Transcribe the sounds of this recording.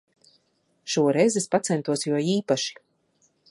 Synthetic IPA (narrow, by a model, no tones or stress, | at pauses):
ʃuɔɾɛjzespat̪sɛnt̪uɔsjuɔiːpaʃi̥